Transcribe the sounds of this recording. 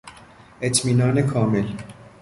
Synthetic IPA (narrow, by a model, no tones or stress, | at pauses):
ʔet̪ʰmiːnɒːnekʰɒːmel